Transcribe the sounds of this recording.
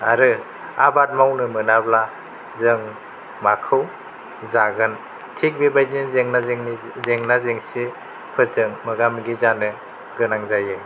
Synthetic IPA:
a̰ɾɯ | a̰bat̚mawnɯmɯnabla | zɯŋ | makʰɯw | zaɡɯn | tʰik̚bibajninzeŋnazŋ | zeŋnazeŋsi | pʰɯzɯŋmɯɡamɡizanɯ | ɡɯnaŋzajɯ

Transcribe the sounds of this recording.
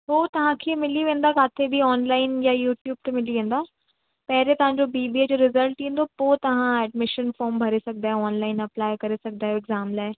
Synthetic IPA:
ɦoːt̪ɐʋ̤ãkʰeːmɪliʋẽːn̆d̪akaːt̪ʰebʱiɔːnlaːɪnjajuːʈjuːb̚ʈ̪ɐmɪliʋẽːn̆d̪aː | pɐɦɪɾet̪ɐʋ̤ãɲd͡ʑobiːbied͡ʑoːɾɪzəlʈĩːn̆d̪opoːt̪ɐʋ̤ãɛːɖmɪʃənfɔːɾmbʱɐɾesɐɡ̚d̪aːɦɛɔːnlaːɪnɐplaːɪkɐɾesɐɡ̚ʱd̪aːɦeɪɡzaːmlaːe

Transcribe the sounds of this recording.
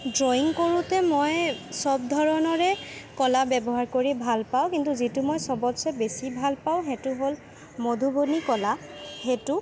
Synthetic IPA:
zojiŋkoɹutɛmojsɔbdʱɔɹɔnɔɹɛkɔlabɛbɔɦaɹkoɹibʱalpaʊ̃kintuzitumojsɔbɔtsɛbesibʱalpaʊ̃ɦetʊɦol | modʱubonikɔlahetʊ

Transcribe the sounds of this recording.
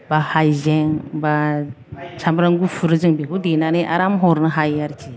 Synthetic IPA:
bahajzɛŋba | t͡ʃʰambɾaŋɡufʰuɾɯzɯŋbeɦudenaniʔa̰ɾamɦɔɾnɯɦajaɾt͡ʃʰi

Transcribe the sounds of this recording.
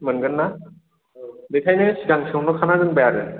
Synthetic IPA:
mɯnɡɯnːa | ditʰajnasiɡaŋsʰɯwnɔkʰanazɯnbajaɾɯ

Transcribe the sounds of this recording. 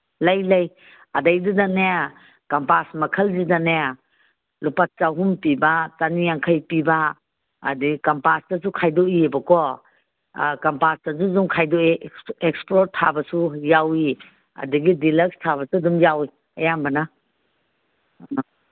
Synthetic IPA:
lajlaj | adajdudanea | kampasmɐkʰəlzidanea | lupat̚t͡ʃawɦumpibatanijaŋkʰajpiba̰ː | dikampastasukʰajdɔiebakɔ | kampastazuzumkʰajdɔiekspɾotʰːabasujawi | ɐ̰duɡidilekstʰaβɐsudumjawi | ɐjambɐna

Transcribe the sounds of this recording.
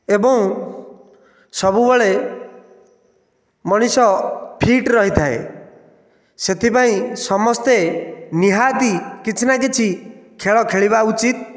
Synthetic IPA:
ebɔ̃w̃ | sɔbubɔɭe | mɔɽ̃isɔpʰiʈɾɔɦit̪ʰaḛ | set̪ʰipaĩsɔmɔst̪eniɦat̪ikit͡ʃʰinak̬it͡ʃʰikʰeɭɔkʰeɭiβaut͡ʃit̪̚

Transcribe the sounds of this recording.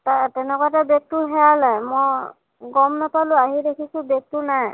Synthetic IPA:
tatɛnɛkatɛbek̚t̪uɦɛalajmɔj | ɡɔmnɔpaluaɦidekʰisũbek̚t̪unaj

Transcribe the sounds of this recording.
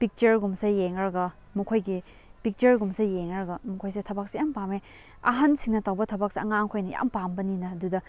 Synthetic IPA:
pik̚t͡ʃɐɾɡumsejeŋɾɐɡɐ | mukʰojɡi | pik̚t͡ʃɐɾɡumsejeŋɾɐɡɐmukʰojsetʰɐbak̚sejampame | ɐɦɐnsiŋnɐtawbɐtʰɐbak̚seɐŋaŋkʰojnɐja̰mpambɐninɐɐdudɐ

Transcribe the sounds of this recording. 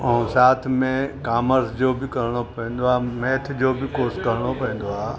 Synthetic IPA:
ũsaːt̪ʰmẽkaːməɾsd͡ʑoːbɪkɐɾɽ̃opɛ̃ːn̆d̪oaːmeːt̪ʰd͡ʑoːbɪkoːskɐɾɽ̃opɛ̃ːnd̪oaː

